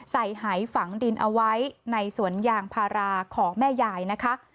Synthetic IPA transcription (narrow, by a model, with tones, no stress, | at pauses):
sa˨˩jɦaː˩˦jfa˩˦ŋdi˧nʔa˧wa˦˥jna˧jsu˩˦ənjaː˧ŋpʰaː˧ɾaː˧kʰɔː˩˦ŋmɛː˥˩jaː˧jna˦˥kʰa˦˥ʔ